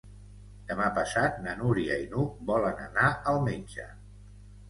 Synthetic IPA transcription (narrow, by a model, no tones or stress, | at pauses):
d̪̥əmapəsat̪̚nənuɾiəinubɔlənə̰naəlˠmeɲʲd͡ʒə̰